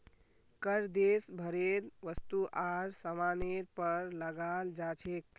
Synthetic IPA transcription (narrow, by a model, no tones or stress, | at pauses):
kəɾd̪esbʱəɾeɾʋəst̪uʔaɾsəmaneɾpəɾləɡald͡ʒat͡ʃʰek